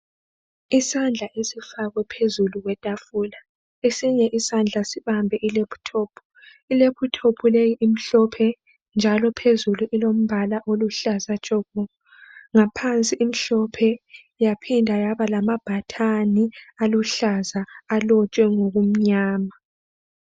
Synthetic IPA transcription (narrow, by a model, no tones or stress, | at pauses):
isand͡ɮʱaʔesifaɣwɛpʰezuluɣwɛtʼafuːla | esiɲɛʔisand͡ɮʱasiβambʱɛʔilepʰu̥tʰɔːpʰu̥ | ilepʰutʰopʰulejiʔim̩ɬɔpʰɛ | nd͡ʒʱalɔpʰezuluʔilom̩βalaʔoluɬazḁt͡ʃʼɔβɔ | ŋapʰant͡sʼiʔːm̩ɬɔpʰɛ | japʰindʱajaβalamab̥ʱatʰanialuɬazaːlɔt͡ʃʼwɛŋoɣum̩ɲaːma